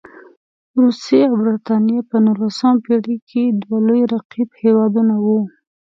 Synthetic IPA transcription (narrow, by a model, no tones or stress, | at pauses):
ɾusjeawbɾɪt̪ɑnijapənulasəmpeɽikʰed̪walojɾaqibhewɑd̪unawu